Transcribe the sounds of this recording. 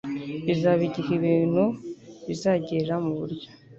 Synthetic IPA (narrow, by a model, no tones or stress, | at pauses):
βizaβiɟihiβiːn̥huβizaːɟeɾamuβuɾɟo̥